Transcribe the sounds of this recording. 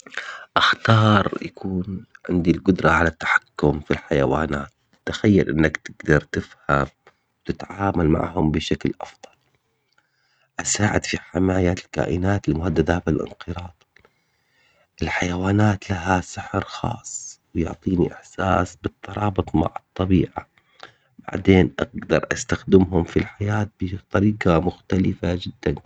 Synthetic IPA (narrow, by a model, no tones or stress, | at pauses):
ʔaxt̪ɑːɾˤjakʰuːnʕɪ̰nd̪ilɡʊd̪ɾˤɑʕalat̪ːḁħḁkːʊmfilħajawa̰ːnaːt̪ | t̪ːaxajːalʔɪnːakt̪ɪɡd̪ɑɾˤt̪ɪfham | wt̪ɪt̪ʕaːmalma̰ʕhʊmbɪʃaklʔɑ̰fd̪ˤɑl | ʔasaːʕɪ̰d̪fiħɪmaːjalka̰ːʔɪnaːt̪ɪlmʊhad̪ːad̪aːbɪlʔɪ̰nqɨɾɑːd̪ˤ | ʔɪlħajawaːnaːt̪laɦasɪħɾxɑ̰ːsˤwjʊʕt̪ˤiːniʔɪħsaːsbɨt̪ˤʰːɑɾˤɑːbɨt̪ˤma̰ʕɨt̪ˤːɑbiːʕa | ba̰ʕd̪eːnʔa̰ɡ̚d̪ɑɾˤʔa̰st̪axd̪ɪmɦʊmfilħajaːt̪̚bɪt̪ˤɑɾiːqamʊxt̪alɪfad͡ʒɪd̪ːan